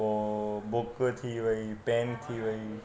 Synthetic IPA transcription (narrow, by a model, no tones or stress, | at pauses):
obokət̪ʰiʋəipent̪ʰiʋəi